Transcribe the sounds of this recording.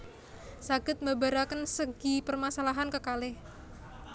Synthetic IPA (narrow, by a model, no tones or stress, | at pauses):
saɡ̥ət̪̚mabaɾakənsəɡ̥ipərmasalaɦankəkalɪh